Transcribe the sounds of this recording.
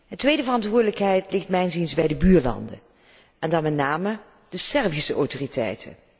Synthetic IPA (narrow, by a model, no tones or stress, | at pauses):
ɦətʋejdəvərɑntʋʊːdələkɦɛjtlɪχtmɛjnzinzbɛjdəbyːɹlɑ̰ndə̰ | ɛndɑnmɛtnaːmə | d̥əsɛrvisəʔɔwtoritʰɛ̰jtʰə̰